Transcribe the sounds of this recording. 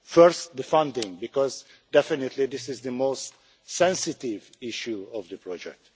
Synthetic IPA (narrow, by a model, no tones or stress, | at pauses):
fəɾst̚d̪əfʌ̃ndɪ̃ŋbikɔz | dɛfɪnɨtlid̪ɪsɪzðɨmoːst | sɛ̃nsɪtɪvɪʃuɔvd̪ɨpʰɹɔd͡ʒɛ̰k̚t